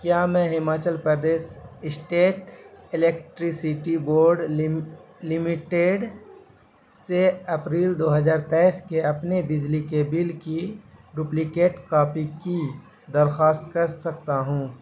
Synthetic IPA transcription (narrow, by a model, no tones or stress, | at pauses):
kjaːmɛ̃ɦɪmaːt͡ʃəlpɾəɾd̪eːʃɪsʈeːʈɪleːkʈɾisiʈiboːɾɖ | lɪmɪʈeɖ | seɐpɾiːld̪oːɦəzaːɾt̪ɛɪskeɐpnebɪd͡ʒlikebɪlkiɖuːplikeːʈkaːpiki | d̪ɐɾxaːst̪kɐɾsɐkt̪aɦũː